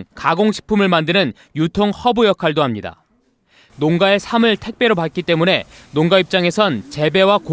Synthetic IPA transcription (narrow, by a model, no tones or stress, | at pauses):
kaɡoŋɕʰi̥pʰumɯɭmandɯnɯn | jutʰoŋhʌbujʌkʰaɭdoɦamɲida̰ | noŋɡae̞sʰamɯɭtʰe̞k̚p͈je̞ɾopat̚k͈it͈e̞mune̞noŋɡaip̚t͡ɕ͈aŋe̞sʰʌnt͡ɕe̞be̞wak